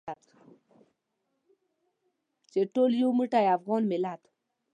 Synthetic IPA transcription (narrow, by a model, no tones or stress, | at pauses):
at̪ka | t͡ʃeʈoljuwmuʈajafɣɔnmɪlat̪